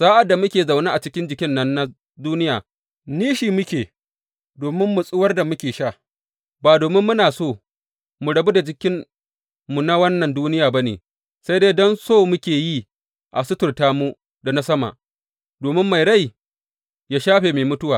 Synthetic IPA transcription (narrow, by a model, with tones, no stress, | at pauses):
saː˦ʔa˨dːa˨mʊ˦kʲeː˨za˨wnaː˦ʔa˨t͡ʃɪ˦kʲɪ˦nd͡ʒɪ˨kʲɪ˦nːɐ˦nːa˦ | duː˦nɪ˦jaː˨ | niː˦ʃiː˨mʊ˦kʲeː˨ | doː˨mɪ˦mːʊ˨sʼʊ˦wɐ˦rda˨mʊ˦kʲeː˨ʃa˦˨ | baː˨doː˨mɪ˦mːʊ˦naː˨soː˦˨ | mu˨ɽɐ˨bu˦da˨d͡ʒɪ˦kʲɪ˦nː | u˨na˦wɐ˦nːɐ˨nduː˦nɪ˦jaː˨ba˦nḛː˨ | sa˦jdeː˦dɔ˦nsoː˦˨mʊ˦kʲeː˨ji˦ | ʔa̰˨sʊ˦tʊ˨rtaː˦mu˦ | da˨na˦sɐ˦ma̰˨ʔ | doː˨mɪ˦mːa˨jɽa˦˨j | jaː˦ʃaː˦ɸeː˨meː˨mʊ˦tʊ˦waː˨